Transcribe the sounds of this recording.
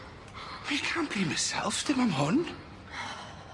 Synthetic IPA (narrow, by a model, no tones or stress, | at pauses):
wikʰãˑnb̥imasɛ̰lˠftʰɪmãɪ̃mɦʊn